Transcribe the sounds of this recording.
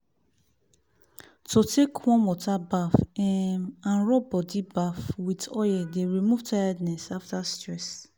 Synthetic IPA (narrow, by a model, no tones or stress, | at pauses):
totekʰwɔ̃nmɔtabafɛmãnɹɔbɔdibafwitɔjɛdeɹimuvtʰajadnɛsaftastɹɛs